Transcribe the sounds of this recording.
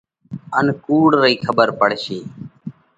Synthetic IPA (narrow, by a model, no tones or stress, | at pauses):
ənkuːɽɾəiːkʰəbəɾpəɽʃeː